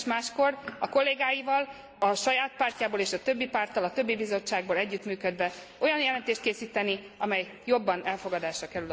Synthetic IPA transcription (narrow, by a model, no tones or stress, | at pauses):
ʃmaːʃko̞rɒko̞lːeːɡaːjivɒl | ɒʃɒjaːt̪̚paːrcaːboːleːʃɒt̪ø̞bːipaːrt̪ːɒlɒt̪ø̞bːibizo̞t͡ʃːaːɡ̚boːlɛɟːyt̪myːkød̪vɛ | o̞jɒnjɛlɛnt̪eːʃt̪keːsiːt̪ɛniɒmɛj | jo̞bːɒnɛlfo̞ɡɒd̪aːʃrɒkɛɾyl